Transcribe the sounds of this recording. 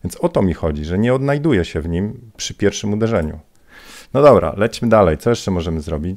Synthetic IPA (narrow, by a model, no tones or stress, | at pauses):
vʲjɛnsɔt̪ɔmʲixɔd͡ʑiʐɛɲɛɔd̪najd̪ujɛɕɛvɲimpʂɘpʲjɛɾfʂɘmud̪ɛʐɛɲṵ | nɔd̪ɔbɾa̰lɛt͡ɕmɘd̪alɛjt̪sɔjɛʂt͡ʂɛmɔʐɛmɘzɾɔbʲit͡ɕ